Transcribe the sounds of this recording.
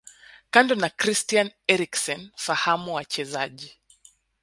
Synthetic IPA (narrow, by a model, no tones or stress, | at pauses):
kandɔnakɾistianɛɾiksɔnfahamuwat͡ʃɛzaʄi